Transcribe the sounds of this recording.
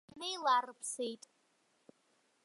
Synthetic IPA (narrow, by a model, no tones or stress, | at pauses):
nejlarɨpʰsejtʼ